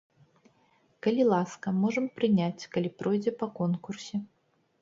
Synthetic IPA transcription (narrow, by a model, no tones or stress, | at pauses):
kɐlʲilˠaskɐmɔʐɐmpɾɨnʲat͡sʲkɐlʲipɾɔjd͡zʲɛpɐkɔnkursʲɛ